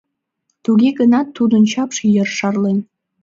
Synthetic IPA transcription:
t̪uɡʲeɡənɑt̪ʰːud̪ə̆nt͡ɕɑpʂjərʃɑrlen

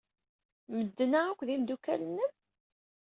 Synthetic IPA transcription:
məd̪ːənaækʷːðimd̪ukæ̰lənːəm

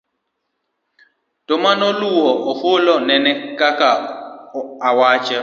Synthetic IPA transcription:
tɔmanɔluwɔʔɔholɔnɛnɛkaka | awat͡ʃa

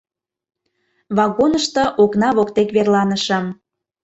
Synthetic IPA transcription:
βɑɣonəʃt̪ɤ̆ʔoknɑβokt̪ekβerlɑnəʃə̆m

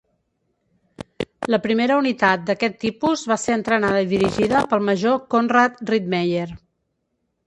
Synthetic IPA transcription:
ləpɾimeɾəunit̪at̪̚d̪əkɛt̪ːipuzβaseɾənt̪ɾənaðəiðiɾiʒiðəpəlˠməʒokonrat̪rid̪̚mejer

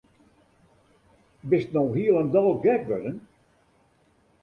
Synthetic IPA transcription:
bɪstnɔwɦiəlˠəndɔlˠɡɛk̚ʋødən

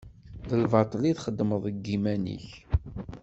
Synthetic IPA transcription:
əlvɑt̪ˤliθχəd̪ːməðˤəɡːimænḭç

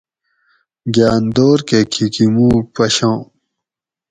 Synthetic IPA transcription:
ɡjaːnd̪oːɾkekʰikimũːpɐɕõː

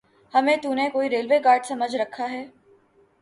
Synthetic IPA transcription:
hɐmẽt̪unẽkoːiɾeːlʋeːkaːɾɖsɐməd͡ʒʱɾɐkʰaɦɛː

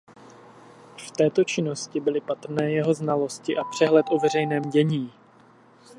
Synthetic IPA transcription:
ft̪ɛːt̪o̞t͡ʃɪno̞scɪbɪlɪpat̪r̩nɛːjɛɦo̞znalo̞scɪʔapr̥ɛɦlɛt̪ʔo̞vɛr̝ɛjnɛːmɟɛɲiː

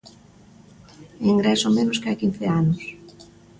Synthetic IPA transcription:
eŋɡɾɛsomẽnoskɪakin̟θɪanos

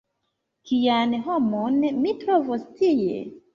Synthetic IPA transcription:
kianɦo̞mo̞nmitɾovostiḛ

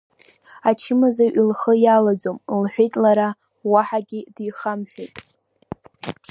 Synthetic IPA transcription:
at͡ʃʰɪmazaʔilχəjalad͡zomlħʷᶣejtʼlaɾa | waħaɡʲɪdijχamħʷᶣejtʼ

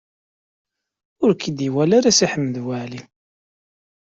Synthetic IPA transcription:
ʊɾkʰid̪iwælaɾæsiħəmːəðwaʕli

